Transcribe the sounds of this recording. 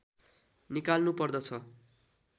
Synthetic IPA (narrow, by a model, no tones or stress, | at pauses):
nikalnupʌrd̪ʌt͡sʰʌ